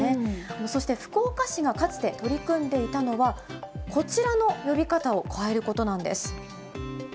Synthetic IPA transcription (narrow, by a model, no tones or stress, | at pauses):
e̞no̞so̞ɕi̥t̪e̞ɸɯ̟̥ko̞ːkaɕiɡakat͡sɨ̥t̪e̞t̪o̞ɾʲikɯ̟̃nd̪e̞it̪ano̞βakʰo̞t͡ɕiɾano̞jo̞bʲikat̪ao̞kʰae̞ɾɯ̟ko̞t̪o̞nãnd̪e̞sɨ̥